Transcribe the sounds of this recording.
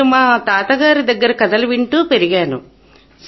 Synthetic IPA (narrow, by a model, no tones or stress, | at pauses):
umaːt̪aːt̪ɐɡaːɾid̪ɐɡːɐɾɐkɐd̪ɐlɐʋiɳʈuːpeɾiɡaːnṵ | s